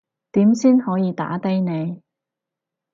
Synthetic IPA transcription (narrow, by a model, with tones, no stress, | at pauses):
t̪iː˨˥msiː˥nhɔː˨˥jiː˨˧t̪a̰ː˨˥t̪ɐ˥jne˨˧j